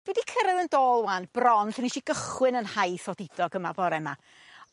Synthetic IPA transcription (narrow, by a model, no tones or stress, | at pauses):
d̥wɛdikʰəɾɛðəndoːlˠwanb̥rɔnɬəniʃiɡ̥əχwɨnənhajθɔdɪdɔɡəmabɔɾɛma̰